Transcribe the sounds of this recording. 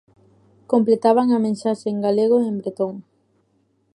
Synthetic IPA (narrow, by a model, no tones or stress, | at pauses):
komplet̪aβ̞aŋamẽnsaʃeːŋɡaleɣ̞oembɾet̪oŋ